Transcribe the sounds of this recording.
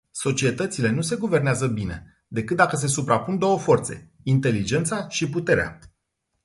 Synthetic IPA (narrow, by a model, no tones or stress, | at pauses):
so̞t͡ʃie̞t̪ət̪sile̞nuse̞ɡuve̞rneazəbine̞̰ | d̪e̞kɨt̪̚d̪akəs̬e̞supɾapund̪o̞wəfo̞rt̪se̞̰ | int̪e̞lid͡ʒe̞nt̪saʃiput̪e̞ɾea̰